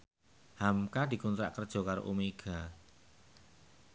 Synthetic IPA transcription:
hamkad̪̥i̤kunt̪ɾa̰ʔkərd̥ʒ̥ɔ̤kaɾo̰ʔumeɡ̥a

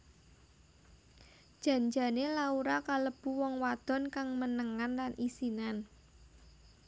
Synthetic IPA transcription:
d̥ʒ̥ä̤ɲd͡ʒa̤nelauɾakaləb̥ṳwɔŋwad̪̥ɔ̤nkaŋmənəŋanlanʔisinan

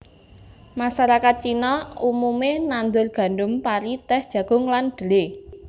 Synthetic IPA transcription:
masaɾakat̪̚t͡ʃinɔumumenand̪ʊrɡ̥a̤nɖʊmpaɾit̪ɛhd̥ʒ̥ä̤ɡ̥ʊ̤ŋland̪̥ə̤le

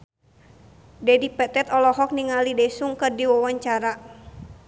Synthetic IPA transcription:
dɛdipɛt̪ɛt̪ɔlɔɦɔk̚niŋalidɛsuŋkɨrdiwawaɲt͡ʃaɾa

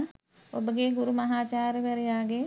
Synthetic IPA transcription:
obɡeːɡʊɾumɐɦaːt͡ʃaːɾbeɾeaːɡeː

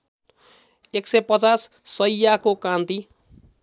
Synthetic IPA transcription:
eksʌjpʌt͡sasːʌjjakokãnt̪i

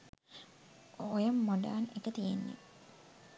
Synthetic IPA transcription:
ojɐmːoɖa̰ːnekət̪ijenːḛ

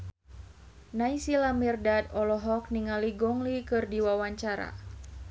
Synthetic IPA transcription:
najsilamirdad̪ɔlɔɦɔk̚niŋaliɡɔŋlikɨrdiwawaɲt͡ʃaɾa̰

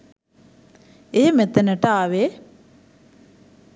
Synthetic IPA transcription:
emet̪enəʈəaːʋe

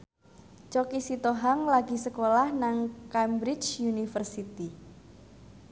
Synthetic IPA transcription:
t͡ʃɔkisit̪oɦaŋlaɡi̤səkolahnaŋkajmbɾɪt͡ʃjunifərsit̪i

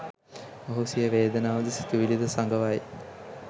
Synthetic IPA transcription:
oɦusijəʋeːd̪ɐnaːʋɐd̪isi̥t̪uʋilid̪əsaŋɡəʋaj

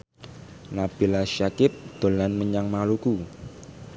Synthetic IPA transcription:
nab̥i̤laʃakɪp̚d̪̥o̤lanməɲaŋmaluku

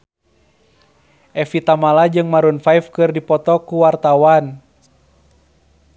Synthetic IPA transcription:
ʔɛfit̪amalad͡ʒɨŋmaɾunfajfkɨrdipɔt̪ɔkuwart̪awan

